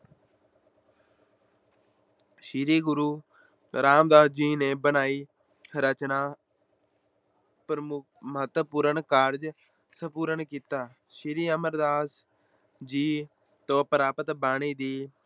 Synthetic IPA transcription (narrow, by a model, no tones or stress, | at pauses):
ʃiɾiːɡʊɾuː | ɾaːmd̪aːsd͡ʒiːneːbənaːiː | ɾət͡ʃnaː | pɾəmʊ | məɦət̪wəpuːɾəɳkaːɾd͡ʒ | səpuːɾəɳkiːt̪aː | ʃiɾiːəməɾd̪aːs | d͡ʒiː | t̪oːpəɾaːpət̪baːɽ̃iːd̪iː